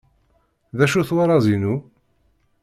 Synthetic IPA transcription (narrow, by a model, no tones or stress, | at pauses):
ðæʃuθwaɾˤɑzinu